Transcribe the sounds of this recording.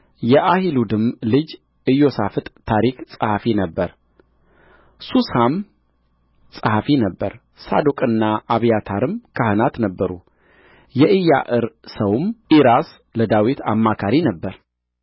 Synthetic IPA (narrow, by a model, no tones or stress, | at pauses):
jɛʔahilud̪ɨmlɨd͡ʒ | ɨjo̞safɨt̪ʼt̪ʰaɾiksʼəhafinəbːəɾ | susham | sʼəhafinəbːə̰ɾ | sa̰d̪okʼɨnːaʔaβijat̪ʰaɾɨmkʰahɨnat̪nəbːəɾu | jɛʔɨja̰ʔɨɾsəwɨmiɾas | ləd̪awit̪ʰa̰mːakʰaɾinəbːəɾ